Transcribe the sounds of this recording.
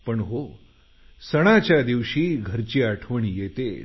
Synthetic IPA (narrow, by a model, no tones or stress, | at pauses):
pəɳɦo | səɽ̃at͡ɕjad̪iʋɕiːɡʱəɾt͡ɕiːaʈʰʋəɳijet̪e